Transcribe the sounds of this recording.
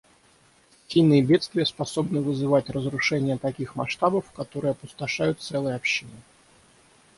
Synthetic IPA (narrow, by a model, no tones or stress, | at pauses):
sʲijnɨjəbʲet̪st̪vʲɪjəspɐso̞bnɨvɨzɨvatʲrəzɾʊʂɛnʲɪjət̪ɐkʲixmɐ̰ʂt̪abəfkɐt̪o̞ɾɨjəɐpʊst̪ɐʂajʊt̪̚sɛlˠəjəɐpɕːinɨ